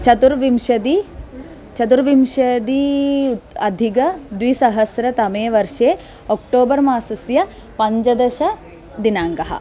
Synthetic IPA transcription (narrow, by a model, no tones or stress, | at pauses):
t͡ʃɐt̪uɾʋimʃɐd̪i | t͡ʃɐt̪̬uɾʋimʃɐd̪i | ɐd̪ʱiɡɐd̪ʋisɐɦɐsɾɐt̪ɐmeːʋɐɾʂeː | oːk̚ʈoːbɐɾmaːsɐsjɐ | pɐɲd͡ʒɐd̪ɐʃɐ | d̪inaːŋɡɐɦɐ̰